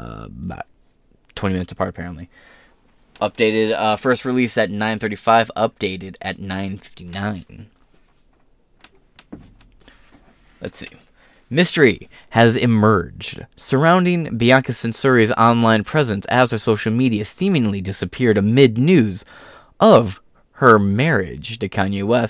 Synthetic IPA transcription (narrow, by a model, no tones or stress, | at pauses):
ba̰ʊt̚ | tʰw̥ɛ̃nimɪ̃nɨtsəpʰɑ̰ɹɾəpʰɛɹə̃nʔli | ʔʌp̚d̥eɪɾɪdʌfɜ˞st̚ɹilisɨtⁿnãɪ̃nθɜ˞ɾifaɪvʌp̚d̥eɪɾɨɾɨ̰tⁿnãɪ̃nfɪ̥ftinãɪ̃n | lɨ̰tsi | mɪstə˞i | ɨzɪmɜ̥˞d͡ʒd̥sə˞ãʊ̃ndɪ̃ŋbiɑkɨsɨ̃nsɪ˞izɑ̰̃nlãɪ̃npʰɹ̥ɛzɨ̃nsɨ̰zðə˞soʊʃl̩ˠmiɾiɨsĩmɪ̃ŋlidɪsɨpʰɪɹɾɨmɪdⁿnʉz | ʔʌv̥ | hə˞mɛɹɪ̰dd͡ʒdɨkʰɑ̃njiwɛs